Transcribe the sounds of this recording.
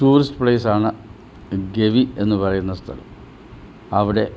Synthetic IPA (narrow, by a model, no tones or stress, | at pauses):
ʈuːrisʈɨpɭeːs̬aːɳɨ | ɡe̞ʋie̞nːupɐrɐjunːɐst̪ʰɐlɐ̰m | ɐʋiɽe̞